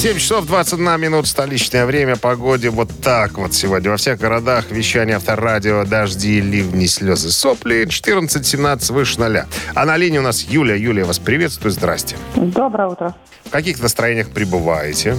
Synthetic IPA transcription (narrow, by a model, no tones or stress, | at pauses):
sʲemʲt͡ɕɪ̥so̞vd̪vat̪sətʲd̪namʲɪnut̪ə̥st̪ɐlʲit͡ɕnəjəvɾʲemʲəpɐɡo̞dʲɪvo̞t̪ːakvo̞t̪sʲɪvo̞dʲnʲəvɐfsʲe̞ɣɡəɾɐd̪axvʲɪɕːænʲɪjəaft̪əradʲɪod̪ɐʐdʲilʲivnʲɪsʲlʲozɨsoplʲɪnt͡ɕɪ̥t̪ɨrnət̪sətʲsʲɪmnat̪sə̥tʲvɨʂɨnɐlʲa̰ɐnɐlʲinʲɪʊnasjulʲɪjəjulʲɪjəvaspɾʲɪvʲe̞t̪st̪vʊjʊzd̪ɾa̰sʲtʲɪ̥d̪obɾəjəut̪ɾə | fkɐkʲixnəst̪ɾɐjenʲɪjəxpɾʲɪbɨva̰jɪtʲɪ